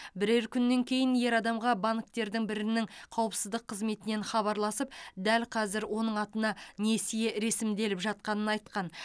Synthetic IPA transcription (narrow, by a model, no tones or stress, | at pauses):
bɪɾe̞ɾkʲʰʏnːe̞ŋkʲʰe̞jɪnje̞ɾɑd̪ɑmʁɑbaŋkt̪e̞ɾd̪ɪŋbɪɾɪnɪŋqʰɑwəpsəzd̪əqʰːəzme̞t̪ɪne̞nχɑβɑɾlˠɑsəpd̪ælqʰɑzɪɾwo̞nəɴɑt̪ənɑne̞sije̞ɾe̞sɪmd̪e̞lɪpʒɑt̪̚qɑnənɑjt̪̚qɑn